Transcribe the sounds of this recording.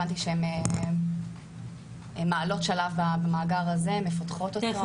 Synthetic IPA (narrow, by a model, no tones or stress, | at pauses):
ant̪iʃeeme | maːlo̞tʃalavbabamaːɡaʁazemefatχo̞tot̪o